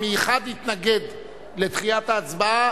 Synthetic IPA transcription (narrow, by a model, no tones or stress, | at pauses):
mejuχad̪hit̪naɡe̞d̪ | le̞t̪χijat̪aːt͡sbaa